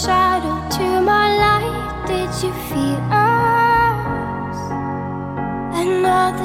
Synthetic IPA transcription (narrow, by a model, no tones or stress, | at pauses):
ʃaɾoʊtʰɨmaɪlaɪfd̥ɪd͡ʒɨfilə | z̥ | ɨnːɔðə